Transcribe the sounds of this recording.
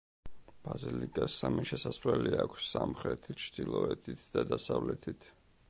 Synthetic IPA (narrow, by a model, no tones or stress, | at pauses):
b̥azilikʼasːamiʃɛsaslɛliakʷʰsːamχɾɛt̪ʰit̪t͡ʃʰd̪̥ilˠɔɛt̪ʰit̪ʰd̪ad̪asavlɛt̪ʰit̪ʰ